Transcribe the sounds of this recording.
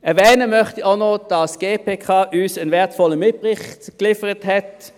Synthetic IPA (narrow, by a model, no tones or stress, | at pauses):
ɛɐvɛːnəmœχtiʔaʊnod̥ɑsɡ̥eːpʰeːkʰɑːʔyːsənvɛɐtfɔləmɪt̚pʁɪχtklɪfəʁəthɛt